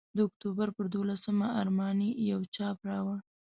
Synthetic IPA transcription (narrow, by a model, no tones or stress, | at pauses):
d̪əʊk̚t̪obaɾpəɾd̪olasəmaaɾmɑnijawt͡ʃɑpɾɑwa